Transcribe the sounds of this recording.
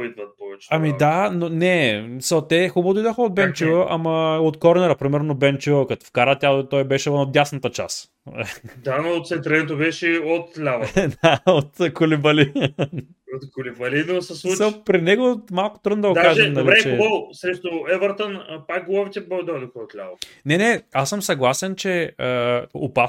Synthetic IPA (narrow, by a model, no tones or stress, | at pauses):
id̪vɐt̪̚pɔvɛt͡ʃɛ̥ɐmid̪anonɛsət̪ɛxubot̪oid̪vəxəod̪̚bɛnt͡ʃivəʔɐmɐot̪kɔɾnɛɾəpɾimɛɾnobɛnt͡ʃivkɐt̪o̥fkaɾət̪ʲjat̪ɔjbɛʃɛvənod̪ʲjasnɐt̪ət͡ʃa̰s | d̪anoːt̪sɛnt̪ɾɛnt̪obɛʃɛot̪lʲavɐd̪aot̪kʊlibɐli | ot̪kʊlibɐlinosɐsuɐpɾinɛɡomalˠkʊ̥t̪ɾɤd̪nod̪ɐɡod̪aaʒɛmnɐliɾɛt͡ʃɛbɔlˠsɾɛʃt̪oɛvəɾt̪ənpak̚ɡolˠɔvit̪ɛbod̪ɔd̪oxəot̪lʲa̰vɐnɛnɛasəmsɐɡlˠasɛnt͡ʃɛəo̰pa